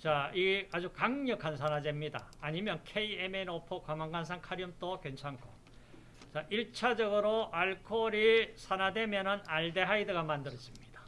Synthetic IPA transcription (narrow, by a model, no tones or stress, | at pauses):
t͡ɕaiɡad͡ʑukaŋɲʌkʰansʰanad͡ʑe̞mɲida̰ːɲimjʌnkʰe̞iemenopʰokwamaŋɡans̬ʰaŋkʰaɾiɯmt͈okwent͡ɕʰaŋkʰo | t͡ɕaʔiɭt͡ɕʰad͡ʑʌɡɯɾoʔaɭkʰoːɾisʰanadwe̞mjʌnɯnaɭde̞ɦaidɯɡamandɯɾʌs͈imɲid̥ḁ